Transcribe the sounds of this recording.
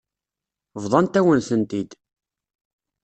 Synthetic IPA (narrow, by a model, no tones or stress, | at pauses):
vðˤɑnt̪æwənθənt̪id̪